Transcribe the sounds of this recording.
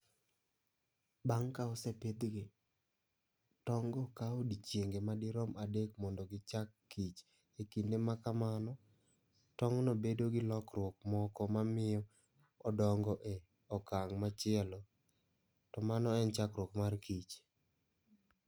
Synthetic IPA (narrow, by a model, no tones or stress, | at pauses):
baŋkaɔsɛpɪd̪ɡɪ | tɔŋɡɔkaodit͡ʃjeŋɡemadɪɾɔmadekmɔndɔɡɪt͡ʃakːit͡ʃ | ekindemakamanɔ | tɔŋnɔbedoɡɪlɔkrwɔkmɔkɔmamɪjɔ | ɔdɔŋɡɔʔe | ɔkaŋmat͡ʃɪɛlɔ | tɔmanɔɛnt͡ʃakɾwɔkmarkit͡ʃ